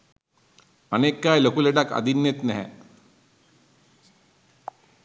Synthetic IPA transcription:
ənekːajlokuːleʈakə̰d̪ʱinːet̪nɛɦɛ̰̃

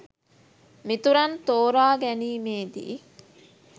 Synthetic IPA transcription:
mit̪uɾɐnt̪oːɾaːɡɛniːmeːd̪ḭː

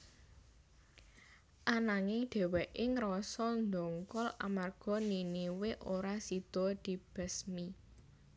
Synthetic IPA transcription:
ʔanaŋɪɖ̪̥ɛ̤wɛʔɪŋɾɔsɔnd̪ɔŋkɔla̰marɡ̥ɔ̤niniwɪʔoɾasid̪̥ɔ̤d̪̥i̤b̥ə̤smi

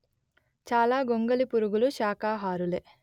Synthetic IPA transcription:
t͡ʃaːlaːɡoŋɡɐlipuɾuɡuluʃaːkaːɦaːɾuleː

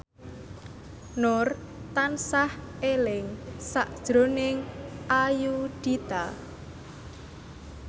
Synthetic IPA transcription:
nʊr | t̪ansah | elɪŋsaʔd̥ʒ̥ɾo̤nɪŋʔajuɖ̪̥it̪a

